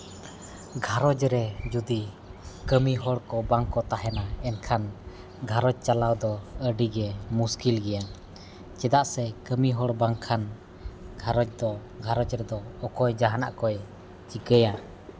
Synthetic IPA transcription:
ɡʱaɾɔd͡ʒɾɛd͡ʒud̪i | kəmiɦɔɽkɔbaŋkɔt̪aɦɛnaɛnkʰan | ɡʱaɾɔd͡ʒ̚t͡ʃalawd̪ɔəɖiɡɛmuskilɡɛja | t͡ʃɛd̪aʔsɛkəmiɦɔɽbaŋkʰan | ɡʱaɾɔd͡ʒd̪ɔ | ɡʱaɾɔd͡ʒɾɛd̪ɔɔkɔjd͡ʒaɦana̰ʔkɔj | t͡ʃiɡəja

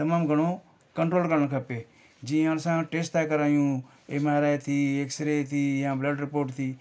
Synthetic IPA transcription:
t̪ɐmaːmɡʱɐɽ̃oː | kəɳʈɾoːlkəɾnkʰapeː | d͡ʒĩːansãːʈeːsʈt̪aːjkəɾaːjũː | emaːɾaːjt̪ʰiːeksɾeːt̪ʰiːjãːbləɖɾɪpoːʈt̪ʰiː

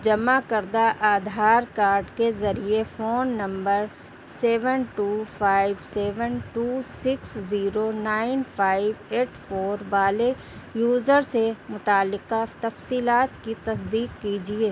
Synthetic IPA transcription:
d͡ʒɐmakəɾd̪aʔaːd̪ʱaːɾkaːɾɖkezɐɾiefoːnːɐ̃mbəɾ | seːʋənʈuːfʰaːɪʋseːʋənʈuːsɪksziːɾonaːɪnpʰaːɪʋeːʈfoːɾʋaːle | juːzəɾsemʊt̪aːlːɪqat̪ɐfsiːlaːt̪kit̪ɐs̬d̪iːqːiːd͡ʒieː

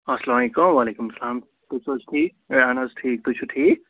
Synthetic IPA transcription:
ɐslaːmikoʋalekumsɐlaːm | t̪usod͡ʒʈʰi | anɐzʈʰiːk̚t̪ut͡ʃʰuʈʰi

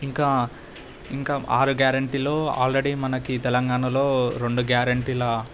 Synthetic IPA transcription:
iŋkaː | iŋkaːaːɾuɡjaːɾɐɳʈiːlo̞ːa̰ːlɾeɽimɐnɐkit̪ɛlɐŋɡaːɳɐlo̞ːɾe̞ɳɖuɡjaːɾɐɳʈiːlɐ

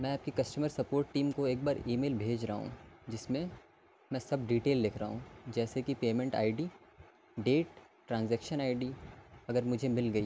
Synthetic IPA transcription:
mɛ̃aːp̚kikɐsʈəməɾsɐpoːɾʈːiːmkoeːk̚baːɾiːmeːlbʱeːd͡ʒɾaɦɦṵ̃d͡ʒɪsmẽ | mɛ̃sɐbɖiːʈeːlːɪkʰɾaɦũd͡ʒɛːsekipeːmɛ̃ɳʈa̰ːɪɖiː | ɖeːʈ | ʈɾãːnzɛːkʃənaːɪɖiːɐɡəɾmʊd͡ʒʱemɪlɡɐiː

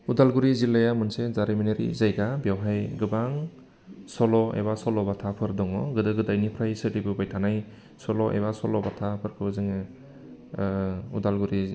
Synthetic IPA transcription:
udalɡuɾizilːajamɯnsezaɾimineɾḭzajɡabjawɦajɡɯbaŋ | sɔlɔḛβasɔlɔbatʰapʰɯɾdɔŋɔɡɯdɯɡɯdajnipʰɾajsɯdibɯbajtʰanaj | sɔlɔʔḛβasɔlɔbatʰapʰɯɾkʰɯzɯŋ | udalɡuɾi

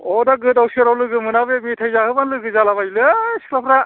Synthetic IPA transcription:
ɔdaɡɯdawsiɾawlɯɡɯmɯnabemitʰajzahɯbanlɯɡɯzalaβajlɯ̥klapʰɾa

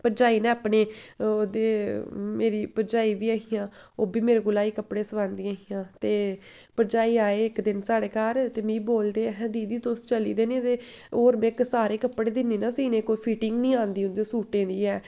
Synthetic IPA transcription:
pəɾd͡ʒaːiːnɛ̃ːaːpneːoːd̪eːmeːɾiːpəɾd͡ʒaːiːbiːaːɦijãːoːbiːmeːɾeɡʊlaːiːkəpɽeːsəʋãːnd̪iaːɦiːjãːt̪eː | pəɾd͡ʒaːiːaːeːɪkd̪ɪnsaːɽeːkaːɾt̪eːmĩːboːld̪eːɦɛ̃ːd̪iːd̪iːt̪ost͡ʃəlḭːd̪eːnẽt̪eː | oːɾmɛ̃ːɪksaːɾeːkəpːɽeːd̪ɪneːnãːsiːnẽːkoːiːpʰiːʈɪŋɡnĩːãːnd̪iːʊnd̪eːsuːʈẽːnd̪iːɛː

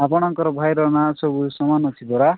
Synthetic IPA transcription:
apɔɽ̃ɔŋkɔɾɔbʱajɾɔnasobusɔmanɔt̪ʰid̪ʱɔɽa

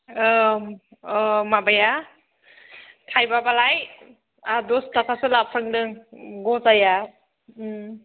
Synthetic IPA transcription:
mabaja | tʰajbabalaj | adɔstakʰasɯlapʰɾɯŋdɯŋɡɔzaja

